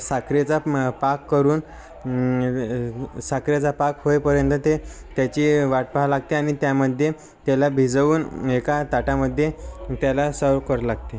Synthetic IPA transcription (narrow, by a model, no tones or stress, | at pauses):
sakɾet͡sapakːəɾuːn | sakɾjet͡sapakɦojpəɾjənt̪ət̪e | t̪jat͡ɕiːʋaʈ̚palaɡ̚t̪eaɽ̃it̪jaməd̪ʱje | t̪jalabʱid͡zəʋuːnekat̪aʈaməd̪ʱːjet̪jalasəkəɾlaɡ̚t̪e